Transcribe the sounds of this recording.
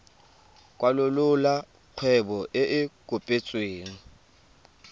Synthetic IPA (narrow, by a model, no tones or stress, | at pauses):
kʼwalʊlʊla | q͡χʰwɛbɔʔɪʔɪkʼopʼet͡sʼweːŋ̩